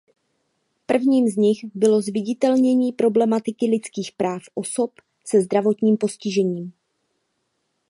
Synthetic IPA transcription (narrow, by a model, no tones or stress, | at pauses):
pr̩vɲiːmzɲɪxbɪlo̞zvɪɟɪt̪ɛlɲɛɲiːpɾo̞blɛmat̪ɪkɪlɪt͡skiːxpɾʔaːfʔo̞so̞p | sɛzd̪ɾavo̞t̪ɲiːmpo̞scɪʒɛɲiːm